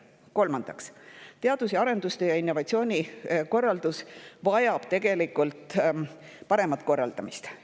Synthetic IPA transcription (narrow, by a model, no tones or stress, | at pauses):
ko̞lmɑnd̪̥ɑkst̪e̞ɑd̪̥us̬eɑɾe̞nd̪ust̪e̞jɑinːo̞vɑt̪sio̞ːnʲiko̞rːɑld̪usvɑjɑb̥̚t̪e̞ɡ̥e̞likult̪ˑ | pɑɾe̞mɑt̪ːˑko̞rːɑ̰ld̪̥ɑmist̪